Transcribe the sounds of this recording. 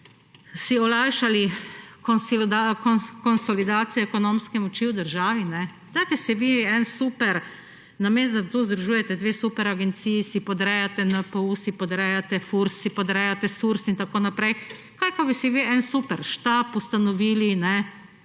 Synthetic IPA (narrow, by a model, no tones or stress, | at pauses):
siɔlajʃalikɔsakkɔnsɔlid̪aːt̪sijɔɛkonõmskɛmɔt͡ʃiwd̪əɾʒaːʋinɛ | d̪aːt̪ɛsiʋiɛnsupɛɾ | nameːst̪d̪at̪uzd̪ɾuʒuːjɛt̪ɛd̪ʋeːsupɛɾaɡɛnt̪siːjisipɔd̪ɾɛjat̪ɛnapousipɔd̪ɾɛjat̪ɛfuɾsːipɔd̪ɾɛjat̪ɛsuɾsint̪akoːnapɾɛj | kajkobisiʋiɛnsupɛɾʃt̪apust̪anɔʋiːlinɛ